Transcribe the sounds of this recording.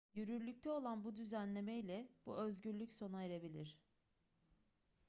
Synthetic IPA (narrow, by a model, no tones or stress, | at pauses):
jyɾyɾlʲyc̚t̪ʰɛo̞lˠanbud̪yzænlʲe̞mejlʲɛb̥uø̞zɟyɾlʲycso̞naeɾe̞bilʲiɾ̝̥